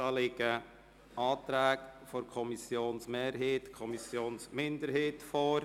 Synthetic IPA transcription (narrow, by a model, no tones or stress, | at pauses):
ɑːlɪɡə | ʔɑːt̪ɾæːɡfɔɾkʰɔmisjoːnsmeːɾɦeːtkʰɔmisjoːnsmɪndəɾɦeːtfoːɾ